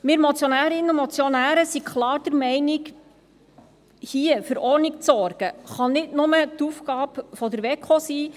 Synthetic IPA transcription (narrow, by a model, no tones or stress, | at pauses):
mɪɾmɔt͡sjɔnæːɾɪnːəumɔt͡sjɔnæːɾəsikʰχlɑːɾd̥̪əɾmɛɪnɪk | hiəfɵɾɔɾnɪkt͡sɔrɡ̥əχɑnɪdnʊmət̪uːfɡɑːpfɔd̪əɾʋɛkχosiː